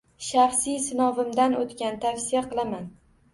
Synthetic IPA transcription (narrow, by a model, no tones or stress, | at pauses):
ʃɑχsijsɪnɒvɪmd̪anot̪kʲant̪ʰafsijaqɨlˠaman